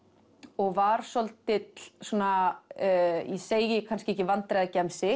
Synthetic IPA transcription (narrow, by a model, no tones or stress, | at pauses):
ɔɣvaːɾ̥sɔlt̪ɪt̪lsuːna | jɛseːjjɪkʰans̬cɪɛhcɪvant̪ɾajðacɛmsɪ